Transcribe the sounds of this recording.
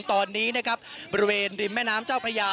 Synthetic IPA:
ŋt̪ɔː˧nːiː˦˥na˦˥kʰa˦˥p̚bɔ˧ɾi˧weː˧nɾi˧nmɛː˥˩naː˦˥mt͡ɕaː˥˩wpʰa˧jaː˧

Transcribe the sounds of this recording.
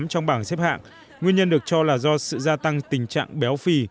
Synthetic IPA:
mt͡ɕɔ˧wŋ͡mɓaː˧˩nsɛ˦˥p̚ha̰ː˧˨ŋ | ŋwi˧ənɲə˧nɗɨ˨˩ək̚t͡ɕɔ˧laː˨˩zɔ˧sɨ̰˧˨zaː˧t̪a˧ŋt̪ï˨˩ŋ̟t͡ɕa̰ː˧˨ŋɓɛ˨˦wfi˧

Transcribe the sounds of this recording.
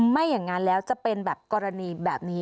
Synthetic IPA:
ma˥˩jːa˨˩ŋːaː˦˧˥nlɛː˦˥wt͡ɕa˨˩pe˧nbɛː˨˩p̚kɔː˧ɾa˧niː˧bɛː˨˩p̚niː˦˥

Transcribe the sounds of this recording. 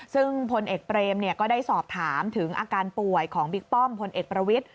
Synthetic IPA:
sɯ˥˩ŋpʰo˧nʔeː˨˩k̚pɾeː˧mni˥˩ɐkɔː˥˩daː˥˩jsɔː˨˩p̚t̪ʰaː˩˦mt̪ʰɯ˩˦ŋʔa̰ː˧kaː˧npu˨˩əjkʰɔː˩˦ŋbi˦˥k̚p̪ɔ˥˩mpʰo˧nʔeː˨˩k̚pɾa˧wi˦˥t̪̚

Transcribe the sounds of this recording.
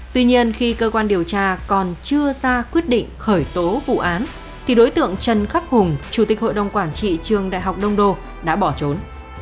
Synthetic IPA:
t̪wi˧ɲi˧ənxi˧kəː˧kwaː˧nɗi˨˩əwt͡ɕaː˧kɔ˨˩nt͡ɕɨ˧əzaː˧kwi˦˥ət̚ɗḭ˧˨ŋ̟xəː˧˩jt̪o˨˦vṵ˧˨ʔaː˨˦n | t̪ʰi˨˩ɗo˨˦jt̪ɨ̰˧˨əŋt͡ɕə˨˩nxa˦˥p̚hʊ˨˩ŋ͡mt͡ɕu˧˩t̪i˨˩k̟̚ho̰˧˨jɗə˨˩wŋ͡mkwaː˧˩nt͡ɕḭ˧˨t͡ɕɨ˨˩əŋɗa̰ː˧˨jɦa˨˩wk͡p̚ɗə˧wŋ͡mɗo˧˨ | ɗa̰ː˧˥ɓɔ˧˩t͡ɕo˨˦n

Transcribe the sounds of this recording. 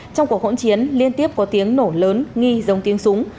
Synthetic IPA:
t͡ɕɔ˧wŋ͡mku˨˩ək̚wo̰˧˥nt͡ɕi˨˦ənli˧ənt̪i˦˥əp̚kɔ˨˦t̪i˨˦əŋno˧˩ləː˨˦nŋi˧zə˨˦wŋ͡mt̪i˨˦əŋsʊ˨˦ŋ͡m

